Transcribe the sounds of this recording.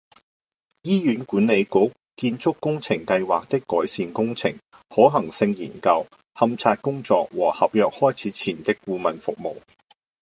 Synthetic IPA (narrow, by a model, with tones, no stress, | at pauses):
jiː˥jyː˨˥nkuː˨˥ne˨˧jkʊ˨˥k̚ | kiː˧nt͡sʰʊ˥kːʊ˥ŋt͡sʰɪ˨˩ŋkɐ˧jwaː˨k̚t̪ɪ˥kːɔː˨˥jsiː˨˧nkʊ˥ŋt͡sʰɪ̰˨˩ŋ | hɔː˨˥ɦɐ˨˩ŋsɪ˧ŋjḭː˨˩nkɐ˧w | hɐ˧mt͡sʰaː˧t̚kʊ˥ŋt͡sɔː˨k̚wɔː˨˩hɐ˨p̚jœː˨k̚hɔː˥jt͡sʰiː˨˥t͡sʰiː˨˩nt̪ɪ˥kkuː˧mɐ˨nfʊ˨k̚mo̰˨˩w